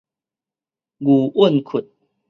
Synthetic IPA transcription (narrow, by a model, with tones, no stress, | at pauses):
ɡu˨˩ə˥˨nkʰu˨˩t̚